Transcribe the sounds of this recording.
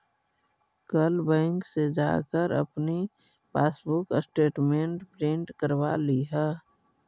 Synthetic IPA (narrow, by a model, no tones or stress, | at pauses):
kəlbɛ̃ːŋksed͡ʒa̰ːkəɾə̰pni | paːsbʊksʈeːʈmẽɳʈpɾẽɳʈkəɾwa̰liɦɛ